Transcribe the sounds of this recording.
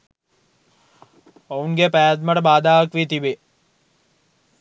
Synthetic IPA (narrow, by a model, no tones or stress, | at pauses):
ouŋɡepæːat̪̬məʈəbaːd̪aːʋɐkʋit̪ibe